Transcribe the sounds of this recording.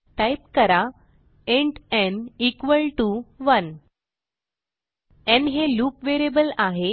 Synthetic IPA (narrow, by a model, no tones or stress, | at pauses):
ʈajpkəɾa | ẽɳʈɛ̃nikʋəlʈuʋən | ɛ̃nɦeluːpʋeɾebəlaɦe